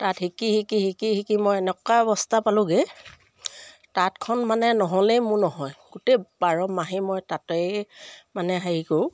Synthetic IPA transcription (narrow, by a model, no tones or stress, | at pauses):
tathikihikihikihikimɔjɛnɛkaɔbɔstʰapalʊ̃ɡe | tatkʰɔnmanɛnɔɦɔlejmʊnɔɦɔjɡutejbaɹɔmːaɦimɔjtatejmanɛɦaɦikoʊ